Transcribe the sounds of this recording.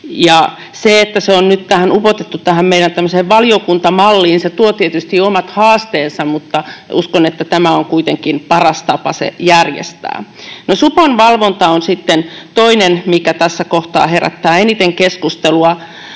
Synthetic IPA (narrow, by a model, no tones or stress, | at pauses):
jɑ | seet̪ːæseonnyt̪t̪æhænupot̪et̪ːutt̪æhæmmeiɾænt̪æmːøseːʋʋɑliokunt̪ɑmɑlːiːnset̪uot̪iet̪yst̪iomɑt̪hɑːst̪eːnsɑmmut̪ːɑuskonet̪ːæt̪æmæoŋkuit̪eŋkinpɑrɑst̪ɑpɑsḛjærjḛst̪æ̰ːnosuponʋɑlʋont̪ɑonsit̪ːent̪oinenmikæt̪æsːækoht̪ɑ̰ːheræ̰t̪ːæːenit̪eŋkeskust̪eluɑ